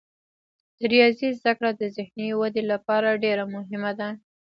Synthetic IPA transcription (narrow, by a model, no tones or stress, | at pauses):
d̪̥əɾijɑzizd̪akɽad̪əzɪhnewad̪elapɑɾaɖeɾamʊɦɪmad̪a